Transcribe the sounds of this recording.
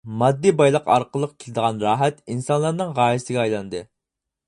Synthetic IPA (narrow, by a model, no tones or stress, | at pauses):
mɑd̪ːibɑjlˠəqɑ̰ɾqəlˠːəq̚kʲʰilɪd̪əʁɑnɾɑːɦɛt̪insɑnlˠɑɾnɨŋʁɑːjisɪɡʲɛɑjlˠɑnd̪ɨ